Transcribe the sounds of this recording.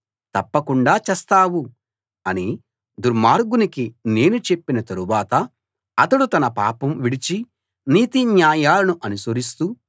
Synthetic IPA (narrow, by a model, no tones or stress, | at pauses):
t̪ɐpːɐkuɳɖaːt͡ʃɛst̪aːwu | ɐni | d̪uɾmaːɾɡunikine̞ːnut͡ʃe̞pːinɐt̪ɐɾuʋaːt̪ɐ | ɐt̪ɐɽut̪ɐnɐpa̰ːpɐmʋiɽit͡ʃi | niːt̪iɲjaːjaːlɐnuʔɐnusɐɾis̬t̪u